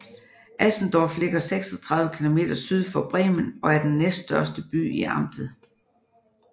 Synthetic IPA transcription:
ʔæsn̩d̥ɒfle̝ɡ̥ɐseɡ̥sɒt͡sʰʁɑ̈ðˠʋəkʰilo̝me̝̰ːd̥ɐsyð̞ˠfɒ̽b̥ʁɛːmənɒ̽æɐd̥enːesdd̥ɶɐsd̥əb̥y̰ːiʔɑ̈m̰d̥ð̩ˠ

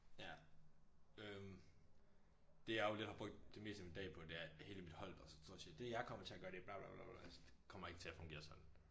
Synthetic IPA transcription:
jæ | øm | d̥e̝jɑ̈jole̝d̥hɑb̥ʁɔɡ̥̚d̥d̥e̝me̝̰ːsd̥əmid̥ɛ̰ːpʰɒ̽d̥e̝æɐhe̝ːləmid̥hɒ̽l̰ɒ̽sɒ̥sʰoð̰ˠsed̥e̝jɑ̈ɪkʰɒ̽m̰ɐt͡sʰe̝æɡ̥ɶːɐd̥e̝b̥lɑ̈b̥lɑ̰ːb̥lɑ̰bæsd̥ekʰɒ̽m̰ɐe̝ɡ̥ə̥t͡sʰe̝æfɔ̽ŋɡ̥e̝ːɐsɒ̽d̥n̩

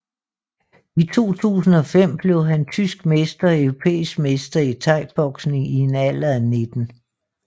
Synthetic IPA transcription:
it͡sʰo̝̰ːt͡sʰṵːsn̩ɒ̽fem̰b̥le̝ʊɦænt͡sʰysɡ̥mesd̥ɐœʊʁopʰḛːisɡ̥mesd̥ɐit͡sʰɑ̈ɪ̰b̥ɒ̽ɡ̥sneŋie̝næl̰ɐæne̝d̥n̩

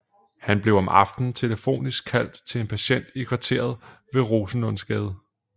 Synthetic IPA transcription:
hænb̥le̝ʊɒ̽mʔɑ̈fd̥n̩t͡sʰe̝ləfo̝̰ːnisɡ̥̚kʰːæl̰d̥t͡sʰe̝e̝npʰæɕen̰d̥ikʰʋɑ̈t͡sʰe̝̰ːɐðˠ | ʋe̝ʁo̝ːsənɔ̽n̰sɡ̥ɛːð̞ˠ

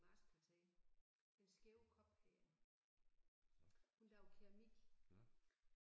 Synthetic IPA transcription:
mɑ̈ːskʰæt͡sʰɛː | d̥ensɡ̥eʊkʰɒ̽b̥hɛː | hundɑ̈ʊkʰeɐmiɡ̥

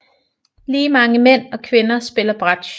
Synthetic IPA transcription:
liːmɑ̈ŋəmen̰ɒ̽kʰʋe̝nɐsb̥e̝lɐb̥ʁad̥ɕ

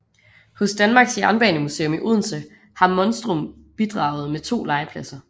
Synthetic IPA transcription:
hɔ̽sd̥ænmɑ̈ːɡ̥sjæɐnb̥ɛːnəmuse̝̰ːo̽miʔuðˠn̩sə | hɑ̈mɒ̽nsd̥ʁɔm | b̥id̥ʁɑ̈ʊð̞̩ˠmet͡sʰo̝̰ːlɑ̈ɪəpʰlæsɐ

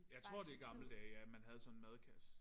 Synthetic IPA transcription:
jɑ̈ɪt͡sʰʁo̝ɐ̰d̥e̝ɡ̥ɑ̈ml̩d̥ɛːjæmænɦæð̞̩ˠsɒ̽nnmæð̞ˠkʰæs

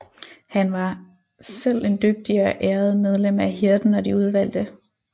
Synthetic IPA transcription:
hænʋɑ̈ | sel̰e̝nd̥øɡ̥̚d̥iɐʔeːɐð̞ˠmeð̞ˠlem̰æɦiɐd̥n̩ɒ̽d̥iuð̞ˠʋæl̰d̥ə

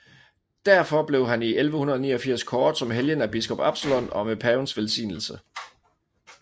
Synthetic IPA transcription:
d̥æɐ̰fɒ̽b̥le̝ʊɦæniʔelʋəhunɐðˠnḭːɐfiɐ̰skʰɒːd̥sɒ̽mɦeljənæb̥isɡ̥ɒ̽b̥ɑb̥səlɒnɒ̽mepʰæːnsʋelsḭːnl̩sə

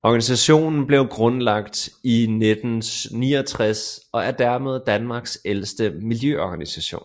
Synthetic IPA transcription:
ɒɡ̥ænisæɕo̝̰ːnn̩b̥le̝ʊɡ̥ʁɔ̽nlɑ̈ɡ̥̚d̥ined̥n̩niːɒt͡sʰʁasɒ̽æɐd̥æɐ̰me̝ð̞ˠd̥ænmɑ̈ːɡ̥selsd̥əmiljøʔɒɡ̥ænisæɕo̝̰ːn

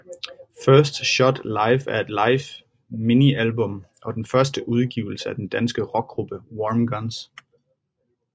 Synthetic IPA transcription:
fɶɐsd̥ɕɒ̽d̥lɑ̈ɪfæɐe̝d̥lɑ̈ɪf | miniʔælb̥ɔ̽m | ʔɒ̽d̥enfɶɐsd̥əʔuðˠɡ̥ḭʊl̩səæd̥end̥ænsɡ̥əʁɒ̽ɡ̥̚ɡ̥ʁub̥əwɒːmɡ̥ɒns

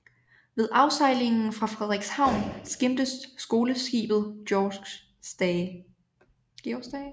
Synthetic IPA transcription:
ʋe̝ð̞ˠʔɑ̈ʊsɑ̈ɪle̝ŋn̩fʁɑ̈fʁɛð̞ˠʁiɡ̥shɑ̈ʊ̰nsɡ̥em̰d̥əsːɡ̥o̝ːləsɡ̥ḭːb̥ð̞̩ˠd̥jɒɡ̥ | sd̥

